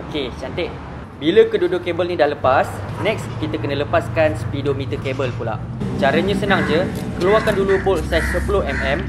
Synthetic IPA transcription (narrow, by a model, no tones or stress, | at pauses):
oket͡ʃant̪eʔ | biləkədudʊkːebəlnĩdahləpasnɛk̚skit̪akənələpaskansə̥pidomit̪əkebəlpula̰ʔ | t͡ʃaɾəɲãsənaŋd͡ʒə | kəluarkandulubʊlsatsəpulohɛmɛm